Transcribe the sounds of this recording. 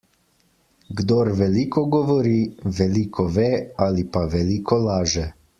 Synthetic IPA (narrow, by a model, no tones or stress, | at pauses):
ɡd̪oːɾʋɛliːkɔɡɔʋɔɾiːʋɛliːkʰɔʋeːalipaʋɛliːkɔlaːʒɛ